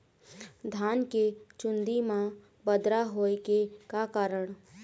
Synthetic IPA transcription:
d̪ʱaːnket͡ʃʊnd̪imã | bəd̪ɾaɦoːkekakaːɾəɽ̃

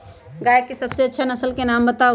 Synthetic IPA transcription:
ɡajkːesəbseətːʃʰanəsəlkenambət̪a

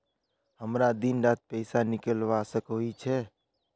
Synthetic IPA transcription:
həmɾad̪inɾat̪̚pəɪsanɪkəlʋasəkɦoit͡ʃʰɛ

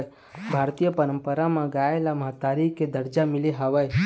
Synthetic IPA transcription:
j | bʱaɾt̪ijəpəɾə̃mpəɾamãɡaelaməɦt̪aɾiked̪əɾd͡ʒamileɦaʋaj

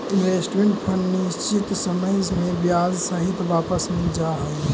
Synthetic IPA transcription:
inʋesʈmẽɳʈpʰəɳɖnist͡ʃit̪səməd͡ʒʱmẽbjad͡ʒsəɦit̪ʋaːpəsmẽd͡ʒaɦəl

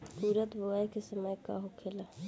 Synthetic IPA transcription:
kuɾət̪boaekesəməjka̰ɦokʰeːla

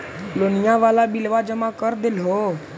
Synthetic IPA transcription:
loːnɪjãːʋaːlaːɓilʋaːd͡ʒəmãːkəɾd̪ɪlɦoː

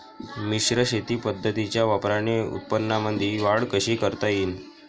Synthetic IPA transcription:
miɕɾəɕet̪iːpəd̪ʱːət̪it͡ɕjaʋapɾaneṵt̪̚pənːaməd̪ʱiːʋaɽkəɕiːkəɾt̪ajiːn

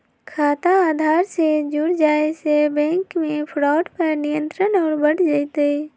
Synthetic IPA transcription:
kʰaːt̪aaːd̪ʱaːɾsed͡ʒuɽd͡ʒaːesebɛ̃ːŋkmẽpʰɽaːʈpəɾnijə̃nt̪ɾənɔːɾbəɽd͡ʒaːɪt̪e

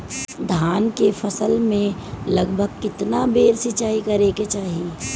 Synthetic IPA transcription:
d̪ʱaːnkefʰɐsəlmẽlɐɡbʱəɡ̚kɪt̪nabeːɾsɪt͡ʃaːikɐɾeket͡ʃaːɦie

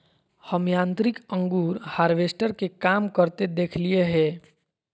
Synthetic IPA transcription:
həmjãːnt̪ɾɪkə̃ŋɡuːɾhaːɾʋeːsʈəɾkekaːmkəɾt̪ed̪eːkʰlieɦɛ̃ː

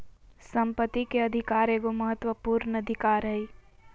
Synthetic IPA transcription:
sə̃mpət̪ːikeɐd̪ʱɪkaːɾeːɡoməɦət̪wəpuːɾnəd̪ʱɪkaːɾɦɛi

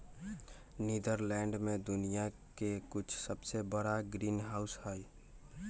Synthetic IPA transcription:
niːd̪əɾlɛ̃ːɳɖmẽd̪ʊnija | kekʊt͡ʃʰsəbsebəɽaɡɾiːnɦaʊshəj

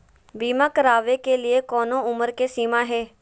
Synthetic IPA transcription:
biːmãːkəɾaːʋeːkeːlɪeːkɔːnõːʊməɾkeːsiːmãːɦeː

